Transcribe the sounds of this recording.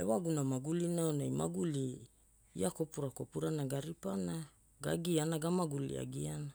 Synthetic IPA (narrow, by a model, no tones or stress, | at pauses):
ḛwaɡunamaɡulinaonajma̰ɡuli | ḭako̞puɾako̞puɾanaɡaɾipana | ɡaɡianaɡamaɡulḭa̰ɡiana